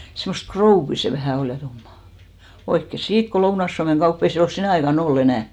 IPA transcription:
semːost krouʋːi se ʋæhæ ol jɑ tumːɑˑ oikːe siːt ko lounɑĭs suɑmeŋ ɡ̊ɑupː o ei se ol sinæˑ ɑikɑn olː enæˑ

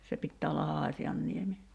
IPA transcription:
se pitːæː olːɑ hɑːsiɑnːiemi

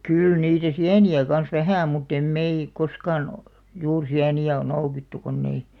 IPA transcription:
kyˑl niːtæ siæniæ kɑns ʋæhæˑ mutː em mei koskɑːn ŏ juːr siæniæ ŏn̆ noukitːu konː ei

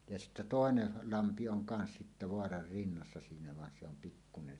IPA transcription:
jɑ sitːæ toˑenel lɑmpi oŋ kɑns sitːæ ʋoɑrɑr rinːɑsːɑ siːnæ ʋɑn se om pikːunen

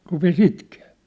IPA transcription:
rupes itkeː

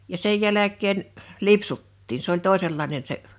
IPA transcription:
jɑ sej jælækˑeːn lipsutːiːn s olʲ toˑeselːɑinen se

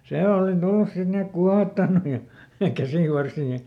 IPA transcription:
se oˑli tulːus sit ni ek kuɑhotːɑnːu jɑ kæsiˑʋɑrsiː

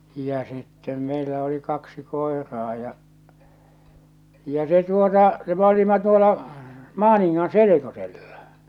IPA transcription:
jɑ sitːem meilæ oli kɑksi koerɑː jɑ jɑ se tuotɑ se m olimɑ tuolɑ mɑːniŋːɑn selekoselːɑ̥

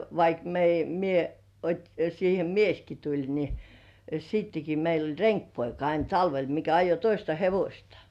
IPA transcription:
ʋɑik meij mie otʲi siːhe mieski tulʲ ni sitːeki meil olʲ reŋkpoikɑ ɑin tɑlʋel mikæ ɑjo toistɑ heʋosʲtɑ

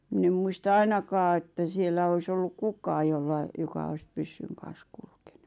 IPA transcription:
mĭn em muistɑ ɑinɑkɑː etːæ sielˑæ ois olːuk kukɑː jolːɑ jokɑ ois pysːyŋ kɑn̞s kulke̥n̥u̥

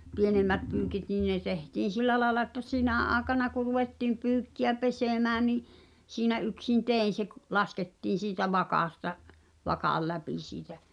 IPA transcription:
pienemːæt pyːkit niˑn̆ ne tehtiːn̞ silːæ lɑːĕlɑ ĕtːæ sinæˑ ʔɑːĕkɑnɑ ku ruʋetːiˑm pyːkːiæ peseˑmæː ni siːnæ ʔyksin teˑin̞ se k lɑsketːiːn̞ siːtæ ʋɑkɑˑstɑ ʋɑkɑˑl læpi siːtæ

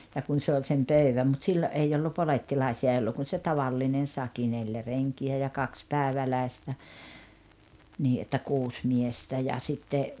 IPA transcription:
jɑ kun se olʲ sem pøyʋæm mut silːo ʔei olːu poletːilɑisiɑ ʔei olːu kun se tɑʋɑlːinen sɑki neljæ reŋkiæ jɑ kɑks pæːĕʋælæistæ niː ʔetːæ kuːs miestæ jɑ sitːe

